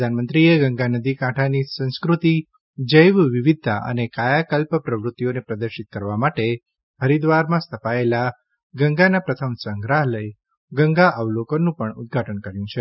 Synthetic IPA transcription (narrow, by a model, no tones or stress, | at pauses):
əd̪ʱanmənt̪ɾieɡəŋɡanəd̪ikãʈʰanisə̃w̃skɾut̪i | d͡ʒəjʋʋiʋid̪ʱːa̰ʔə̰nekajakəlpəpɾəʋɾʊt̪ːijonepɾəd̪əɾʃit̪̚kəɾʋamaʈe | həɾid̪ʋaɾmãst̪ʰəpaela | ɡəŋɡanapɾət̪ʰəmsəŋɡɾaɦləj | ɡəŋɡaʔəʋlokənũpəɳʊd̪̚ɡʱaʈənkəɾjũt͡ʃʰe